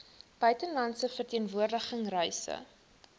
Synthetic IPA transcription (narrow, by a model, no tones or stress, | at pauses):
b̥œɥtənlɐntsəfərtiənvuərdəχəŋrœjsə̰